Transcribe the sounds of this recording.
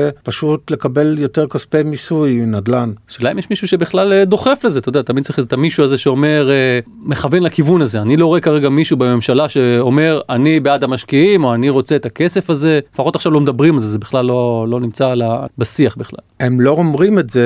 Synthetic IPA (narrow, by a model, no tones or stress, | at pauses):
paʃutle̞kabe̞ljo̞teʁkaspemisujnad̪lanʃelaimjeʃmiʃuʃebiχlald̪o̞χe̞fle̞zetodat̪amid̪̚t͡saʁiχet̪amiʃuazeʃeo̞me̞ʁe | me̞χavenlakivunaze̞anilo̞ʁoekaʁeɡamiʃubeme̞mʃalaʃe̞o̞me̞ʁanibeadamaʃkiimo̞aniʁo̞t͡seet̪ake̞sefaze̞lefaχo̞t̪aχʃavlo̞med̪abʁimalzezebiχlalːo̞lo̞nimt͡salabasiaχbiχla̰ | emlo̞omʁimetze